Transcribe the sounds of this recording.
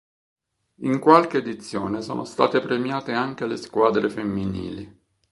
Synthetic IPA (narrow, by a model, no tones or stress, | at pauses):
iŋkwalk̟eːd̪it̪sːjo̰ːneso̰ːno̰st̪a̰ːt̪epɾemjaːt̪eaŋk̟eleskwaːd̪ɾefemːinḭːli